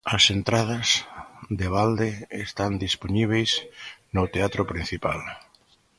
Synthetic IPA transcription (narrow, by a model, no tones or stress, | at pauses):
ɐsent̪ɾað̞asðeβ̞ald̪eest̪and̪isponiβ̞ejsnot̪eat̪ɾʊpɾin̟θipal